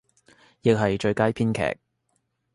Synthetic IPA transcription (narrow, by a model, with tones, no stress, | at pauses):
jɪ˨k̚ɦɐ˨jt͡ʃɵ˧ɥkaː˥jpʰiː˥nkʰɛ̰ː˨˩k̚